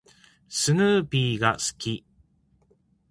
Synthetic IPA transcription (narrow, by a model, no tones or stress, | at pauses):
sɨnɯːpʲiːɡasɨ̥kʲi